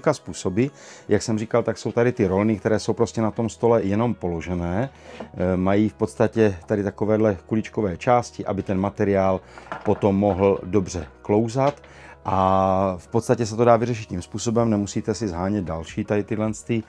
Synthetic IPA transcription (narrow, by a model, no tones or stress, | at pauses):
kaspuːso̞bɪjaksɛmriːkalt̪akso̞wt̪adɪt̪ɪɾo̞lnɪkt̪ɛɾɛːsowpɾoscɛnat̪o̞mst̪o̞lɛjɛno̞mpo̞lo̞ʒɛnɛː | majiːfpo̞t̪st̪acɛt̪adɪt̪akovɛːdlɛkulɪt͡ʃkovɛːt͡ʃaːscɪʔabɪt̪ɛnmat̪ɛɾɪaːlpo̞t̪o̞mːoɦl̩do̞br̝ɛklo̞wzat̪ | ʔafpot̪st̪acɛs̬ɛt̪o̞daːvɪrɛʃ̬ɪt̪̚cimspuːso̞bɛmnɛmusiːt̪ɛsɪzɦaːɲɛd̪̚dalʃiːt̪adɪt̪ɪdlɛnst̪ɪ